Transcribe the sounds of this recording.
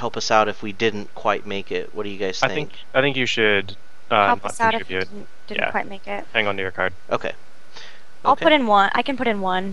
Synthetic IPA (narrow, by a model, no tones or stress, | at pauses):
hɛlˠpʌsaʊɾɨfwidɪdⁿn̩kʰw̥aɪt̚meɪkɪt̚wʌt̚d̥ɨjɨɡaɪz̥θaɪɪ̃ɪ̃ŋk | aɪθɪ̃ŋkjɨʃɨd | ʔʌhɛlˠnəʌt̚saʊɾɨɪfbjʉɪdⁿn̩ | d̥ɪdⁿjæn̰̩waɪt̚meɪkɪt̚hæ̃ŋə̃ntɨjə˞kʰɑ̰ɹd̥̚ʔoʊkʰḛɪ | oaʊɪkʰʊɾɨ̃nwʌ̃nʔa̰ɪkɨ̃npʊɾɨ̃nwʌ̃n